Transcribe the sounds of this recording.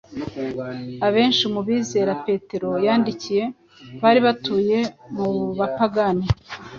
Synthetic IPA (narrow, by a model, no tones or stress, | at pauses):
aβe̞ːnʃimuβiːze̞ːɾape̞ːte̞ɾo̞jaːndicije̞ | βaːɾiβatuːje̞muβapaɡani